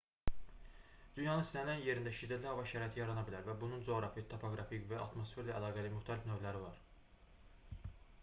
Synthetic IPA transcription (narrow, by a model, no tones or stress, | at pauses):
d̪̥ynjɑnɯnsænænje̞ɾind̪æʃid̪ːæt̪lihɑvɑʃæɾɑet̪ʰijɑɾɑnɑbilæɾvæbunund͡ʒo̞ɾɑfit̪ʰopʰo̞ɡɾɑfikvæɑ̰t̪mo̞sfe̞ɾlæʔːlˠɑːɡælimyxt̪ʰælifnøvlæɾivɑɾ